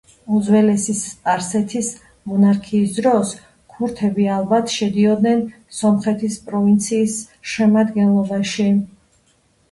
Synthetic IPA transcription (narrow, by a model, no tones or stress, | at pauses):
uzvɛlɛsist̪ʼaɾsɛt̪ʰis | mɔnaɾkʰiːsd̪ɾɔs | kʰuɾt̪ʰɛbialˠbat̪ʰʃɛd̪iɔd̪nɛn | sɔmχɛt̪ʰispʼɾɔvint̪sʰiːs | ʃɛmad̪ɡɛnlˠɔbaʃi